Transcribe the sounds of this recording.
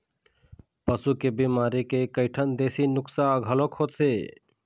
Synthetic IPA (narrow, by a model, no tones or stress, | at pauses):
pəsukebimaːɾikekəɪʈʰənd̪eːsinʊksaəɡʱəlokhoːt̪seː